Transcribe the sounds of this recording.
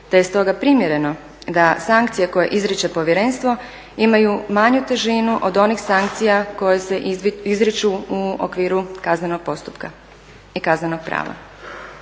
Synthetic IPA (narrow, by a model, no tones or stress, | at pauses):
d̪̥aje̞st̪o̞ɡapɾimje̞ɾe̞no̞ | d̪asaŋkt̪sije̞ko̞je̞̰ʔizɾit͡ʃe̞po̞ʋjeɾe̞nst̪ʋo̞ | imajumaɲut̪eʒinuʔod̪o̞nixsaŋkt̪sijako̞jese̞izɾit͡ʃuuo̰kʋiːɾukazneno̞ɡ̚po̞st̪u̥pka | ikazneno̞ɡ̥̚pɾa̰ːʋa̰